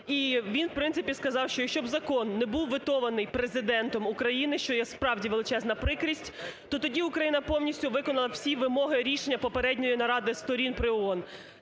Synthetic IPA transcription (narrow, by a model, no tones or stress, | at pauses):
iʋʲinwpɾɪnsɪpʲiskɐzɑwʃt͡ʃɔjɐkʃt͡ʃɔbzɐkɔnːɛbuwʋʲɪt̪ɔʋɐnɪjpɾezɪd̪ɛnt̪ɔmukɾɐjinɪʃt͡ʃɔjɛspɾɑwdʲiʋelˠɪt͡ʃɛznɐpɾɪkɾʲisʲtʲt̪ɔt̪ɔdʲiʊkɾɐjinɐpɔwnʲisʲtʲʊʋɪkɔnɐlˠɐw̥sʲiʋɪmɔɦɪɾʲiʃenʲːɐpɔpeɾɛdʲnʲɔjinɐɾɑd̪ɪst̪ɔɾʲinpɾɪɔɔn